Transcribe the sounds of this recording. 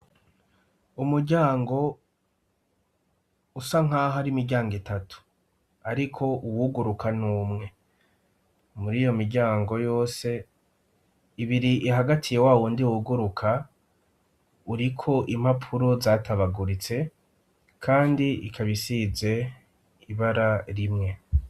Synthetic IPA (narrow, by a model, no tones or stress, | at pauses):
umuɾɟaːŋɡo̞ | usaŋ̥ɦaːɦaɾimiɾɟaːŋɡitatʰu̥ | aɾikʰo̞ʔuwuɡuɾukʰanuːmŋe̞ | muɾiːjo̞miɾɟaːŋɡo̞jo̞ːse̞ | iβiɾiʔiɦaɡatʰije̞waːwondiwuɡuɾukʰa | uɾikʰo̞ʔim̥hapʰuɾo̞zaːtʰaβaɡuɾit͡se̞ | kʰaːndiikʰaβisize̞ | iβaɾaɾimŋe̞